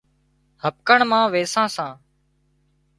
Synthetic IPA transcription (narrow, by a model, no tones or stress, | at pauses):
həp̚kəɳmãːʋeːsãːsãː